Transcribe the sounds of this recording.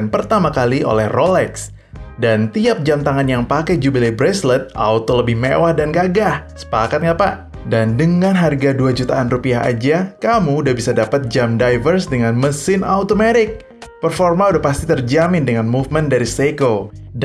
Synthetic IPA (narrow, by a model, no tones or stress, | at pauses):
npərt̪amakalio̰lɛhrolɛks | dant̪iap̚d͡ʒamt̪aŋanjaŋpakajd͡ʒubilebɾɛslət̪̚ʔa̰wt̪oləbɪhmḛwahdanɡaɡahsə̥pakat̪̚ŋapaʔ | dandəŋanɦarɡaduad͡ʒut̪aʔːnrupiaɦa̰d͡ʒakamuːdahbisadapat̪̚d͡ʒamdajvərsdəŋanməsɪnawt̪omeɾɪk̚ | pərformaudahpast̪it̪ərd͡ʒamɪndəŋanmufməndaɾiseko